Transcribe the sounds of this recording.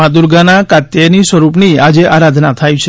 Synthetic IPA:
ad̪uɾɡanakat̪jenisʋəɾup̬niad͡ʒeʔaɾad̪ʱnat̪ʰajũt͡ʃʰe

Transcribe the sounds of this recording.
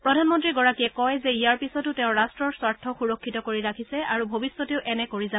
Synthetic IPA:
pɹɔdʱanmɔntɹiɡɔɹakiɛkɔjzɛijaɹpisɔtʊtɛʊ̃ɹastɹɔɹswaɹtʰɔxuɹɔkʰːitɔkoɹiɹakʰisɛaɹubʱobisːɔteʊʔɛnɛkoɹiza

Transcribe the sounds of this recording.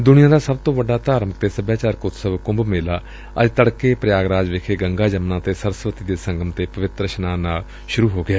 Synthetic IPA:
d̪ʊnijãːd̪aːsəb̚t̪õːʋəɖːaːt̪aːɾmək̚t̪eːsəbjaːt͡ʃaːɾkʊt̪səʋkʊ̃mbmeːlaː | ə̰d͡ʒt̪əɽkeːpɾəjaːɡɾaːd͡ʒʋɪkʰeːɡəŋɡaːd͡ʒəmnãːt̪eːsəɾəsʋət̪iːd̪eːsə̃ŋɡəmt̪eːpəʋɪt̪ɾəʃənaːnaːl | ʃʊɾuːɦoːɡɪaː

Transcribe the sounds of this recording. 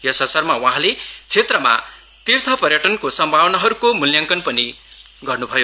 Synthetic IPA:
jʌsʌsʌrmawaɦãlet͡sʰet̪rʌma̰ | t̪irt̪ʰʌpʌrjʌʈʌnkosʌmbʱawʌnaɦʌɾukomuljaŋkʌnpʌni | ɡʌrnubʱʌjo

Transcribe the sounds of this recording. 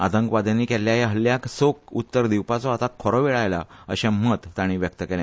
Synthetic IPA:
at̪əŋkʋad̪aniːkɛljajaɦəlːjaksok̚ut̪ːəɾd̪iwpat͡sɔat̪akʰɔɾɔʋeɭajla̰əɕɛ̃mət̪ːaɽ̃iʋjək̚t̪əkɛla

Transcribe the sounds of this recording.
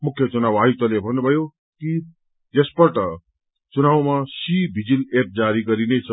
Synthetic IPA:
mukʰjʌt͡sunawajut̪ʌlebʱʌnːubʱʌjo | ki | d͡zespʌʈʌ | t͡sunawmasibʱid͡zilep̚d͡zaɾiɡʌɾinet͡sʰʌ

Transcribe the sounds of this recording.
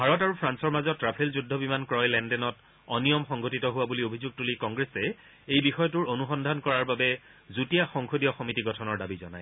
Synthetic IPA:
bʱaɹɔtaɹupʰɹansɔɹmazɔtːɹapʰelzudʱːɔbimankɹɔjlɛndɛnɔt | ɔnijɔmxɔŋɡotitɔɦʊwabuliobʱizuɡ̚tulikɔŋɡɹesɛ | ejbixɔjɔtʊɹonuxɔndʱankɔɹaɹbabɛ | zutijaxɔŋxʰodijɔxɔmitiɡɔtʰɔnɔɹdabizɔnaj

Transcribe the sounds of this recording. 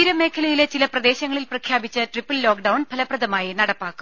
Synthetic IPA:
iɾɐme̞ːkʰɐlɐjile̞t͡ɕilɐprɐd̪e̞ːɕɐŋːɐɭilprɐkʰjaːbit͡ɕːɐʈripːɐlːoːkɖɐwɳpʰɐlɐprɐðɐmaːjinɐɽɐpːaːkːu̥m

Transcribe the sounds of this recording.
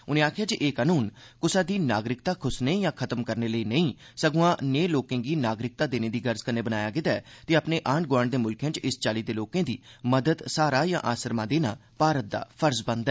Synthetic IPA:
ʊnẽːaːkʰjaːd͡ʒiʔeːkaːnuːnkʊsaːd̪iːnaːɡɾɪkt̪aːkʰʊsneːjãːkʰət̪əmkəɾneːləiːnəĩː | səɡʊãːneːloːkẽːɡiːnaːɡɾɪk̚t̪aːd̪eːneːd̪iːɡəɾzkənːeːbənaːjaːɡɪd̪aɛːt̪eːəpneːʔaːɳ̚ɡoəɳd̪eːmʊlkʰẽːt͡ʃɪst͡ʃaːliːd̪eːloːkẽːd̪iːməd̪əd̪saːɾaːjã̰ːʔaːsəɾmãːd̪eːnaːpaːɾət̪̚d̪a̰ːpʰəɾsbə̃nd̪ɛː

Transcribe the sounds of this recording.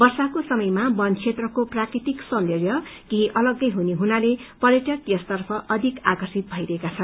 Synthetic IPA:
bʌrsakosʌmʌjmabʌnt͡sʰet̪rʌkoprakrit̪iksʌnd̪erjʌkiɦĩʔʌlʌɡːʌjɦuneɦunalepʌrjʌʈʌkjʌst̪ʌrpʰʌʔʌd̪ʱikakʌrsit̪̚bʱʌjɾʌɦekat͡sʰʌn

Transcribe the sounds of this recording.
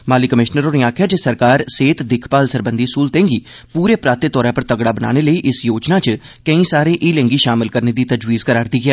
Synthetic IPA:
maːliːkəmɪʃnəɾoːneːaːkʰjaːd͡ʒesəɾkaːɾseːt̪d̪ɪkʰpaːlsəɾbənd̪iːsuːlt̪ẽːŋɡiː | puːɾeːpɾaːt̪et̪ɔːɾãːpəɾt̪əɡɽaːbəna̰ːneːləiːʔɪsjoːd͡ʒnaːt͡ʃə | kəĩːsaːɾeːʔiːlɛ̃ŋɡiːʃaːmɪlkəɾneːd̪iːt̪əd͡ʒwiːzkəɾaːɾd̪iːɡɪɛː

